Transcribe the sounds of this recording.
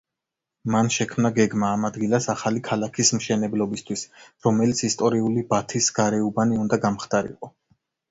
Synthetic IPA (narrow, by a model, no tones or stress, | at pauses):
manʃɛkʰmnaɡɛɡmaːmad̪ɡilˠasaχalikʰalakʰismʃɛnɛblɔbist̪ʰwisɾɔmɛlit̪sʰist̪ʼɔɾiulibat̪ʰisɡ̥aɾɛubaniund̪aɡamχd̪̥ʼaɾḭqʼɔ